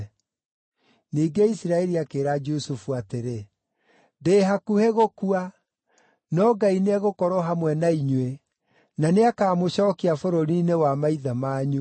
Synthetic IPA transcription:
niːɡeisɾaɛɾiakeːɾad͡ʒosufuateɾe | deːɦakuheɣokua | nɔɡaineaɣokɔɾɔɦamwɛnaiɲwe | naneakaːmoɕɔːkiafoɾoɾinewamaiðamaːɲu

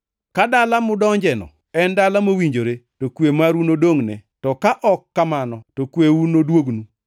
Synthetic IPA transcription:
kadalamʊdɔɲd͡ʒɛnɔ̰ | ɛndalamowiɲd͡ʒoɾetokwemaɾunodoŋnɛ̰tɔkaʔɔkːamanɔtokweunodwoɡnu

